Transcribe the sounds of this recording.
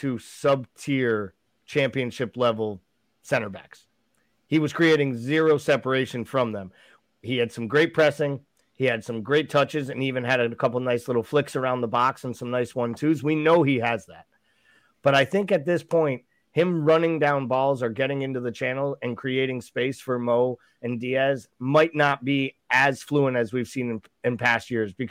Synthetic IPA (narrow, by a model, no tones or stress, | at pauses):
tʰɨsʌb̚tʰɪɹ | t͡ʃʰæ̃mpiɨ̃nʃɪplɛvl̩ˠ | sɛ̃ɾ̃ə˞bæ̰ks | hiwʌz̥kʰɹ̥ieɪɾɪ̃ŋzɪɹoʊsɛpə˞eɪʃɨ̃nfɹʌ̃mðə̃m | iɨd̥sʌ̃mɡɹeɪt̚pʰɹ̥ɛsɪ̃ŋ | iɨd̥sʌ̃mɡɹeɪtʰʌt͡ʃɨzɨ̃nivɨ̃nɨɾɨkʰʌpl̩ˠnaɪslɪɾl̩ˠflɪksə˞ãʊ̃nðəbɑksn̩sʌ̃mnaɪswʌ̃ntʰʉzwinoʊiɨzðæ̰t̚ | b̥ʌɾaɪθɪ̃ŋkɨt̪̚ðɪspʰɔ̃ɪ̃nt̚ | hɪ̃mɹʌnɪ̃ŋdãʊ̃nbɔlˠzə˞ɡɛɾɪ̃ŋɪ̃ntʉðɨt͡ʃʰæ̃nl̩ˠɨ̃nkʰɹ̥ieɪɾɪ̃ŋspeɪsfə˞moʊ | ɨ̃ndiɛzmaɪtⁿnət̚b̥iɨz̥fluə̃nɨzwiv̥sĩnɨ̃n | ɨ̃npʰæst̚jɪɹzbɨkʰ